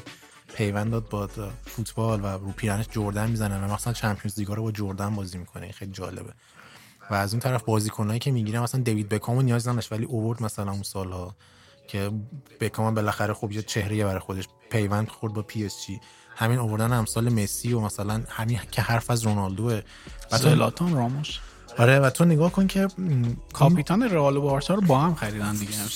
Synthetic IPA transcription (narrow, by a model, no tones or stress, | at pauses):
pʰe̞jvænd̪ɒːd̪̚bɒːfut̪ʰbɒlvæɾuːpʰiːɾæneʃd͡ʒoɾd̪ænmizænevæmæxsænt͡ʃʰæmpʰijonzd̪iɡɒːɾobɒd͡ʒoɾd̪ænbɒːzimikʰoneḭnxejliːd͡ʒɒːle̞̰be | væːzunt̪ʰæɾæfbɒːziːkʰonɒːjicʰemiɟiɾæmæsænd̪evid̪̚be̞kʰɒmonijɒːznæd̪ɔʃvæliʔoβoɾd̪mæsælænunsɒːlhɒ | cʰe̞b̥ekʰɒːmæmbe̞læxæɾexobjet͡ʃʰe̞hɾe̞jebæɾɒːjxod̪eʃ | pʰe̞jvænd̪xo̞ɾd̪bɒːpʰiest͡ʃi | hæmiːnovo̞ɾd̪ænhæmsɒːlemesiːomæsælænhæmincʰehæɾfæzɾonɒld̪oe | væelɒ̰t̪ʰonrɒmoʃ | ɒɾe̞væt̪ʰoneɡɒːhkʰoncʰe̞kʰɒːpʰit̪ʰɒneɾeɒlobɒːɾsʰɒːɾobɒːhæmxæɾiːd̪ænd̪iɡe